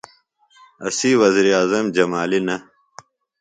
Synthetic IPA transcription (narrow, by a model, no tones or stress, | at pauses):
ɐ̰siwɐziːɾiaːzɐmd͡ʑɐmaːlinɐ